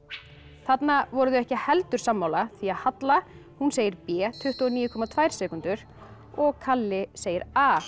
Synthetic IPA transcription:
θat̪navɔɾʏðʏɛhcɪhɛlt̪ʏɾ̥samːawlaθiaðhat̪la | hunseːjɪɾpɛːt̪ʰʏht̪ɔniːjʏkʰɔmat̪ʰvaːjɾ̥sɛːkʏnt̪ʏɾ̥ | ɔɣkʰalːɪseːjɪɾaː

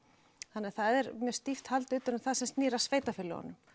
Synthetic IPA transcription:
θanːɪθaðɛɾmjœɾ̥st̪ift̪halt̪ʏːt̪ʏɾʏmθaðsɛmst̪niːɾasveːjt̪afɪlːɪ̰hɔ̰nːʏm

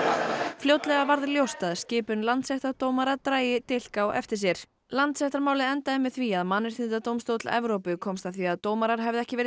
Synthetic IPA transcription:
fljowt̪lɛɣavaɾðɪljowst̪aðscɪːpʏnlant̪sɛht̪aɾt̪oːwmaɾat̪ɾaːjɪt̪ɪl̥kawɛ̰ft̪ɪ̥s̬jɛɾ̥ | lant̪sɛht̪aɾmaːwlɪɛnt̪aɪmːɪθviaðmanːɪɾ̥θɪnt̪at̪owmst̪owt̪lɛ̰vɾowpʏkʰɔmst̪aθviaðt̪oːwmaɾaɾ̥ɦɛvðɪɛhcɪvɛːɾɪ

